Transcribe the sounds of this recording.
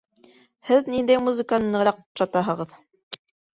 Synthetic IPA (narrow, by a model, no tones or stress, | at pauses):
hɘðnind̪æjmuzɘ̆kanɤnɤɾɑq̚ʃɑt̪ɑɦɤ̆ʁɤð